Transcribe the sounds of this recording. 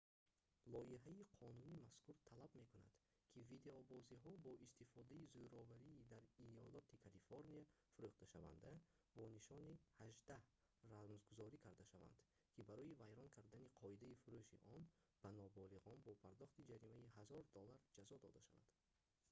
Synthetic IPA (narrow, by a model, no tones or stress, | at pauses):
lɔiɦaiqʰɔnunimaskʰuɾt̪ʰalabme̞kuna̰d̪̥ | kʰivid̪e̞ɔbɔziɦɔbɔʔist̪ifɔd̪aizujɾɔvaɾiːd̪aɾiɔlɔt̪ʰikʰalifoɾnia | fuɾuχt̪aʃa̰va̰nd̪a | bɔniʃɔnihaʒd̪ah | razmzɡuzɔɾikʰaɾd̪aʃava̰nd̪̥ | kʰibaɾɔivajɾɔŋkʰaɾd̪aniqʰɔid̪aifuɾuʃḭʔɔn | b̥anɔbɔliʁɔnbɔpʰaɾd̪ɔχt̪id͡ʒaɾimaiɦazɔɾd̪ɔlːaɾd͡ʒazɔd̪ɔd̪aʃava̰d̪̥